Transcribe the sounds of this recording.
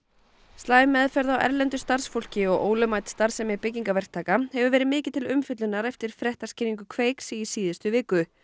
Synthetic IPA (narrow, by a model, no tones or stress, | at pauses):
st̪laːjmɛðfɛɾðawʔɛ̰ɾlɛnt̪ʏst̪ar̥sfol̥cɪɔɣo̰ːwlʏmaːjt̪st̪aɾsɛmɛɾpɪcːiŋkavɛr̥t̪ʰːaːkahɛvʏvɛːɾɪðmɪːcɪt̪ʰɪlʏmfɪt̪lʏnaɾɛft̪ɪɾ̥fɾɛht̪ascɪːniŋk̬ʏkʰveːjksɪisiːðɪst̪ʏvɪːkːʏ